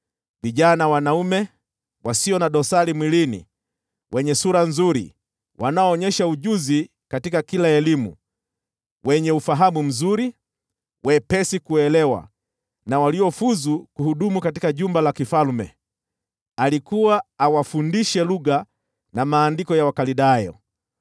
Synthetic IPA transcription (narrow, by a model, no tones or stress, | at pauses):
viʄanawanaumɛ | wasiɔnaɗɔsaɾimwilinḭ | wɛɲɛsuɾanzuɾḭ | wʔanaɔːɲɛʃauʄuzi | katikakilaɛlimṵ | wɛɲɛufaɦamum̩zuɾi | wʔɛpɛsikuɛlɛwa̰ | nawaliɔfuzukuhuɗumukatikaʄumbalakifalmɛ̰ | alikuwaːwafundiʃɛluɠa | namaːndikɔjawakaliɗajɔ̰